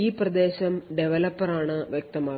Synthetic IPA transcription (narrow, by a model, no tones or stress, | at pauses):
iːprɐd̪e̞ːɕɐmɖeʋɐlɐpːɐraːɳɨʋjek̚t̪ɐmaː